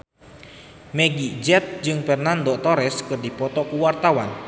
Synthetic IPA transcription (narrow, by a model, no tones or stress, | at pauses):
meɡid͡ʒɛt̪̚d͡ʒɨŋpɛrnand̪ɔk̚t̪ɔɾɛskɨrdipɔt̪ɔkuwart̪awan